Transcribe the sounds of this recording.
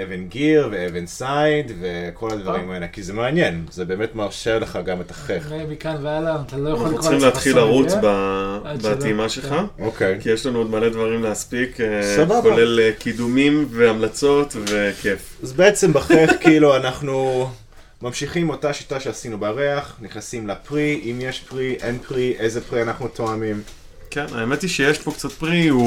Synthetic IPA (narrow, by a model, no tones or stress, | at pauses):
evenɡiʁveevensajdve̞kʰo̞lad̪vaʁimaelekizemeanje̞nzebe̞ːme̞tmaʁʃeʁleχaɡame̞tḁχeχmikavealat̪alojaalʁileat̪χilaʁut͡sbabaimaʃelχaokejkijeʃlanuod̪male̞d̪vaʁimleaspikesababoalelkidumimveamlat͡so̞tve̞kʰefazbeet͡se̞mbaχeχkiiluanaχnu | mamʃiχimo̞taʃitaʃeasinubaʁeaχniχnasimlapʁiimjeʃpʁiʔenpʁiʔejzepʁianaχnut̪oamim | kena̰emet̪iʃejeʃpo̞kt͡sat̪̚pʁiu